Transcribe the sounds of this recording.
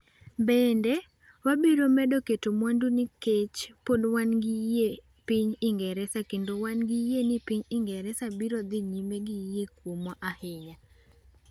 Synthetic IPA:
bɛndɛ | wabiɾomɛdoketomwandunɪket͡ʃpodwanɡɪje | piɲɪŋɡɛɾɛsakendowanɡɪjenɪpiɲɪŋɡɛɾɛsabiɾɔd̪ɪɲimeɡɪjekwomɔʔahɪɲa

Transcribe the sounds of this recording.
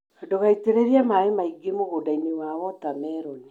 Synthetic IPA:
doɣaiteɾeɾiamaemaiɡemoɣodainewawɔtamɛɾɔne

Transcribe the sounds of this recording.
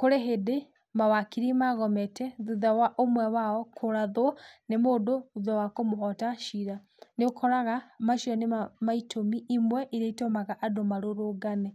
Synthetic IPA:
koɾeɦede | mawakiɾimaɣɔmɛtɛðuðawaʔomwɛwaɔkʰoɾaðonemodouðɔwakomoɦɔtaʃiɾa | neokʰɔɾaɣamaʃiɔnemaitʰomiʔimwɛʔiɾeitomaɣaʔadomaɾoɾoɡanɛ

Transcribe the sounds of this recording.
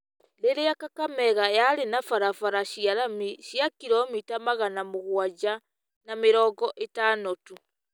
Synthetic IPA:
leɾeakakamɛɣajaɾenafaɾafaɾaɕiaɾamiɕjakiɾɔmitamaɣanamoɣwad͡ʒa | nameɾɔːɡɔʔetanotu

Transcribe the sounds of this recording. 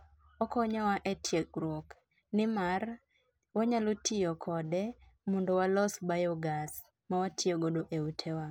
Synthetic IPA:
ɔkɔɲawaʔetʰjekɾɔk | nɪmar | waɲalotʰɪjɔkʰɔdɛ | mɔndɔwalɔsbajɔɡas | mawatʰioɡodoʔeutʰewa

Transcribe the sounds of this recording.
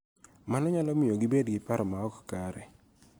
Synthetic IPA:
manɔɲalɔmɪjoɡɪbedɡɪpaɾɔmaɔkkaɾɛ̰

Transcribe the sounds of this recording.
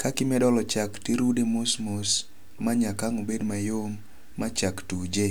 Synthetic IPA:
kakɪmɛdɔlɔt͡ʃaktiɾudemosmʊs | maɲakaŋobedmajomː | at͡ʃaktud͡ʒe

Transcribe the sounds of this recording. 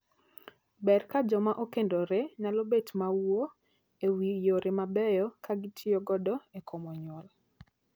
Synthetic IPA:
bɛrkad͡ʒɔmaʔokendoɾenalobetmawo | ewijoɾemabɛjɔkaɡɪtʰioɡɔdɔekʰomɔɲwɔl

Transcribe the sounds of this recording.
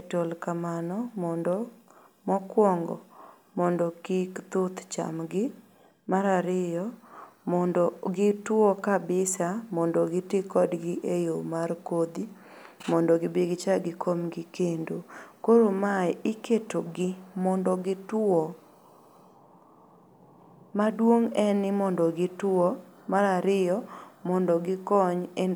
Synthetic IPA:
etolkamanɔmɔndɔ | mɔkwɔŋɡɔ̰ | mɔndɔkikt̪ʊt̪t͡ʃa̰mɡɪ | maɾaɾɪjɔmɔndɔɡɪtwɔkabɪsamɔndɔɡɪtɪkɔdɡɪʔejomarkod̪i | mɔndɔɡɪbeɡt͡ʃaɡɪkʰomɡɪkendokoɾomaɛɪketoɡɪmɔndɔɡɪtɔ | madwoŋɛnɪmɔndɔɡɪtwwɔ | maɾaɾɪjɔmɔndɔɡɪkɔɲe

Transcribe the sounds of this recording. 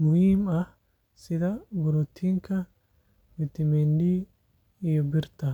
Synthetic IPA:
mʊhiːmɐh | sɪd̪ɐbʊɾɔt̪ʰːiːŋkʰɐ | mɪt̪ːɪmendi | ɪjɔbɪɾt̪ɐ

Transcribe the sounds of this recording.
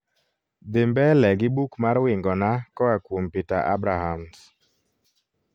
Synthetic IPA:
d̪ɪmbɛlɛɡɪbukmaɾwɪŋɡɔnakɔakwompita̰ʔa̰bɾaɦams

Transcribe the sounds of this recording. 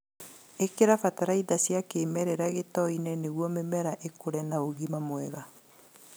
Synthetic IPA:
ekeɾafataɾaiðasjakeːmɛɾɛɾaɣetɔinɛneɣwɔmemɛɾaʔekoɾɛnaoɣimamwɛɣa

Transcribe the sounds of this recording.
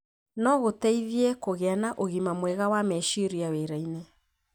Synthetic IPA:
nɔɣotɛiðiɛkoɣeanaʔoɣimamwɛɣawamɛʃiɾiaweɾaine

